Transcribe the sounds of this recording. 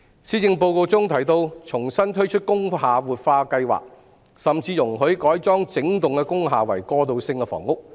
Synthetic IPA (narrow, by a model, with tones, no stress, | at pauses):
siː˥t͡sɪ˧ŋpo˧wko˧wt͡sʊ˥ŋt̪ʰɐ˨˩jt̪o˧wt͡sʰʊ˨˩ŋsɐ˥nt̪ʰɵ˥ɥt͡ʃʰɵ˥t̚kʊ˥ŋɦaː˨wuː˨t̚faː˧kɐ˧jwa̰ː˨k̚ | sɐ˨mt͡siː˧jʊ˨˩ŋɦɵ˨˥jkɔː˨˥jt͡sɔː˥ŋt͡sɪ˨˥ŋt̪ʊ˨ŋkɛ˧kʊ˥ŋɦaː˨wɐ˨˩jkɔː˧t̪o˧wsɪ˧ŋkɛ˧fɔ̰ː˨˩ŋʊ˥k̚